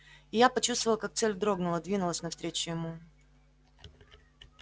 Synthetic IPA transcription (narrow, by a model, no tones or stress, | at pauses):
ɪjapɐt͡ɕust̪vəlˠəkak̚t̪sɛlʲd̪ɾo̞ɡnʊlˠəd̪vʲinʊlˠəsʲnɐfst̪ɾʲet͡ɕɪjɪmu